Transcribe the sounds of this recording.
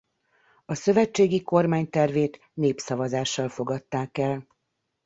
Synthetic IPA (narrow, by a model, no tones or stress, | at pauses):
ɒsø̞vɛt͡ʃːeːɡiko̞rmaːɲt̪ɛrveːt̪ | neːpsɒvɒzaːʃːɒlfo̞ɡɒt̪ːaːkɛl